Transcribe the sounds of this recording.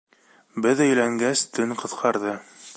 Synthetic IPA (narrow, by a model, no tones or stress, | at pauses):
bɘðɘ̆jlæŋɡæst̪ɵŋqɤ̆θqʰɑɾðɤ